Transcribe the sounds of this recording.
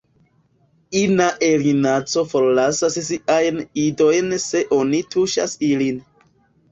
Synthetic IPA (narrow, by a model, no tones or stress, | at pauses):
inaʔelinat͡so̞fo̞ɾlasassiʔajnido̞jnse̞ʔo̞nitʰuʃa̰silin